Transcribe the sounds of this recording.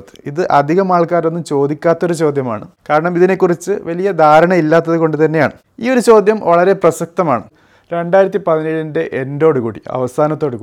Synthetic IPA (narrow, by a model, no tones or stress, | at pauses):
t̪ːɨ̥iðɨʔɐd̪ʱiɣɐmaːɭkaːɾo̞nːumt͡ɕo̞ːd̪ikʲːaːt̪ːɐo̞ɾut͡ɕo̞ːd̪ʱjɐma̰ːɳɨkaːɾɐɳɐmiðine̞kːurit͡ɕːɨʋɐlijɐd̪ʱaːɾɐɳɐilːaːt̪ːɐðɨko̞ɳɖɨt̪ɐnːeja̰ːɳɨ | ḭːoɾut͡ɕo̞ːd̪ʱjɐmʋɐɭɐɾe̞prɐsɐk̚t̪ɐmaːɳɨ | ɾe̞ɳɖaːjiɾɐt̪̬ːipɐðinelindeʔendo̞ːɽukuːɽḭɐ̰ʋɐsaːnɐt̪ːo̞ːɽukuː